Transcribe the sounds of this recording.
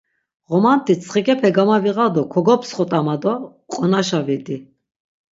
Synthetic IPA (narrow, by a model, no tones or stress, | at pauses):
ʁɔmant̪ʰʼit͡sʰʼχikʼɛpʰɛɡamaviʁad̪ɔkʰɔɡɔpsχɔt̪ʼamad̪ɔ | qʼɔnaʃavid̪i